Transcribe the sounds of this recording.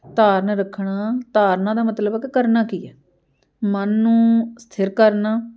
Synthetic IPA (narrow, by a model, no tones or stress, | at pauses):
t̪aːɾnɾəkʰɳaːt̪aːɾnãːd̪aːmət̪ləbɛːkɪkəɾnaːkiːɛː | mənːũːst̪ʰɪɾkəɾnaː